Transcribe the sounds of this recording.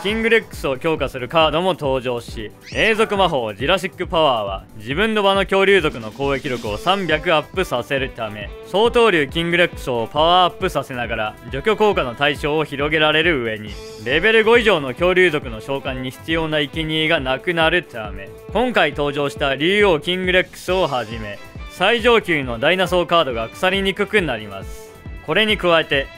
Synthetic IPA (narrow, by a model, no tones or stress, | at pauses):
kʲĩŋɡɯ̟ɾekːɯ̟̥sɨo̞kʲo̞ːkasɨɾɯ̟kaːd̪o̞mo̞t̪o̞ːʑo̞ːɕi | eːzo̞kɯ̟maɦo̞ːʑiɾaɕ̬ikːɯ̟paβaːβ̞a̰d͡ʑibɯ̟̃nːo̞bano̞kʲo̞ːɾʲɨːzo̞kɯ̟no̞ko̞ːe̞kʲiɾo̞kɯ̟o̞sãmbʲakɯ̟apːɯ̟sase̞ɾɯ̟t̪ame̞so̞ːt̪o̞ːɾʲɯːkʲĩŋɡɯ̟ɾekːɯ̟̥sɨopaβaːpːɯ̟sase̞naɡaɾad͡ʑo̞kʲo̞ko̞ːkano̞t̪aiɕo̞ːçiɾo̞ɡe̞ɾaɾe̞ɾɯ̟ɯ̟e̞ɲ̟i | ɾe̞be̞ɾɯ̟ɡo̞iʑo̞ːno̞kʲo̞ːɾʲɨːzo̞kɯ̟no̞ɕo̞ːkãɲ̟ːiçi̥t͡sɨjo̞ːnaikʲiɲ̟iːɡanakɯ̟naɾɯ̟t̪ʰame̞ | kõ̞ŋkait̪o̞ːʑo̞ːɕi̥t̪aɾʲɨːo̞ːkʲĩŋɡɯ̟ɾekːɯ̟̥sɨo̞ɦaʑime̞ | saiʑo̞ːkʲɨːno̞d̪ainaso̞ːkaːd̪o̞ɡakɯ̟̥saɾʲiɲ̟ikɯ̟kɯ̟naɾʲima̰sɨ̥ | ko̞ɾe̞ɲ̟ikɯ̟βae̞t̪e̞